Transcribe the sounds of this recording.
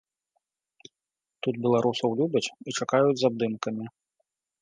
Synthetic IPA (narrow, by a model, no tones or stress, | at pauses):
t̪ud̪̚bʲɛlˠaɾusɐwlʲubʲɐt͡sʲit͡ʂakajud͡zʲzab̚d̪ɨmkɐmʲi